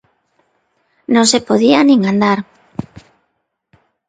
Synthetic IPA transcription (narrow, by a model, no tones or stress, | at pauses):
nõŋsepoðianĩŋand̪aɾ